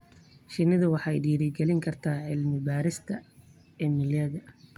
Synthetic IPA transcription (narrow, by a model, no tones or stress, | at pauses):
ʃɪnɪðʊwɑħɑɛ̰jɖiːɾɪɡɛlɪŋkʰɐrt̪ʰaːʕɪlmɪbaːɾɪst̪ʰɐ | ɛːmɪljɐðɐ